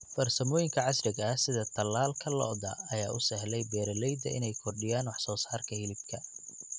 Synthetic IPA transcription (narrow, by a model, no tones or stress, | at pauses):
fɐrsɐmɔːjɪŋkʰɐʕɑsrɪɡɐhsɪðɐt̪ʰɐlːaːlkʰɐlɔ̰d̪ɐɐjaːʊsɛhlɛjbɛːɾɐlɛjd̪ɐʔɪ̰nɛjkʰɔrɖɪjaːnwɑħsɔːsaːrkʰɐhɪlɪbkʰɐ